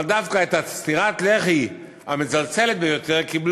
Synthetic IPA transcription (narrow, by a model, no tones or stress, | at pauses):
ld̪afkaet̪hat͡st̪iʁat̪le̞χi | hamezalt͡selet̪̚bejo̞t̪e̞ʁkibl